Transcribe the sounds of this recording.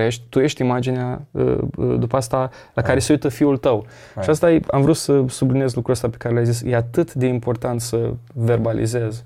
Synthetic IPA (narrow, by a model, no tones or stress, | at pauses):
jeʃt̪ʲt̪uje̞ʃt̪ʲimad͡ʒineaə̰d̪upəast̪a | lakaɾe̞seujt̪əfiult̪əw | ʃiast̪ajea̰mvɾut̪səsublinije̞zlukɾuəst̪ape̞̥kaɾeljajzisjeat̪ɨt̪d̪e̞impo̞rt̪ant̪səve̞rbalḭze̞z